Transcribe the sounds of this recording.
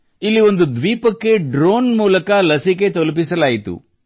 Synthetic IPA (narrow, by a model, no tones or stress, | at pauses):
ilːiʋo̞nd̪ud̪ʋiːpɐkːe̞ɖɾoːnmuːlɐkɐlɐsik̬et̪olup̬isɐlaːjit̪ṵ